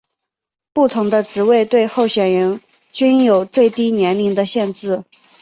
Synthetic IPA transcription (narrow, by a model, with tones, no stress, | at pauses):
pu˥˩t̪ʰʊ˧˥ŋd̪ə˧ʈ͡ʂɻ̩˧˥we˥˧ɪt̪we˥˧ɪxo˥˩ʊɕɥɛ˨˩nɻə˧˥n | t͡ɕy˥njo˨˩ʊt͡swe˥˧ɪt̪i˥njɛ˧˥nli˧˥ŋd̪ə˧ɕjɛ˥˧nt͡sɻɹ̩˥˩